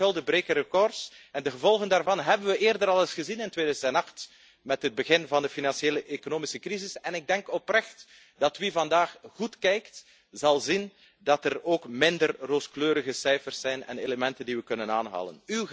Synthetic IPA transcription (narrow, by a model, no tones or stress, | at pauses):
ɪlˠdəbɾeːkəɾəkɔrsɛndəɣəvɔlˠɣəndaːrvɑnɦɛbənʋəʔeːrdəɾɑlˠəsχəzinɪntweːdœːzəndɛnɑxt | mɛtɦəd̚bəɣɪnvɑndəfinɑnʃjeːləʔekonoːmisəkrizɪsɛnɪɡ̚dɛŋkɔprɛxt | d̥ɑtʋivɑndaːxɣutkɛjkt | zɑlˠzin | dɑtəroːkmɪndərroːskløːɾəɣəsɛjfərsːɛjnɛ̰neləmɛntəndiʋəkɵnəna̰ːnɦa̰ːlə̰nyw